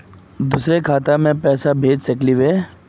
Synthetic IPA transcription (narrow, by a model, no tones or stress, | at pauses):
d̪uːsɾekʰaːt̪amẽpɛːsabʱeːd͡ʒsɐkliʋeː